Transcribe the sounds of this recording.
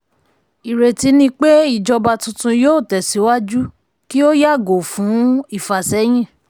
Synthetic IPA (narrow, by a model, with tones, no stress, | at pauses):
i˨ɾe˨ti˨˦nĩ˧k͡pe˦i˦˨d͡ʒɔ˧ba˧tũ˧tũ˧joː˦˨tɛ˨si˨˦wa˦d͡ʒu˦ | ki˦o˦ja˦˨ɡo˨fũ˨˦i˦˨fa˨sɛ˨˦j̃ĩ˦˨